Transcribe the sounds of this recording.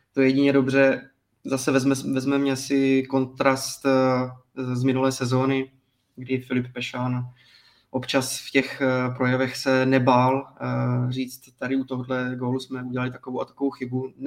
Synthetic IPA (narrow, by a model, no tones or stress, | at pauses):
t̪o̞jɛɟɪɲɛdo̞br̝ɛ | zasɛvɛzmɛvɛzmɛmɲɛasɪko̞nt̪ɾast̪ | zmɪnulɛːsɛzo̞ːnɪ | ɡdɪfɪlɪp̚pɛʃaːn | ʔo̞pt͡ʃasfcɛxpɾo̞jɛvɛxsɛnɛbaːl | r̝iːt͡st̪ːaɾɪut̪o̞ɦodlɛɡo̞ːlusmɛuɟɛlalɪt̪ḁkovowʔat̪ḁkovowxɪbu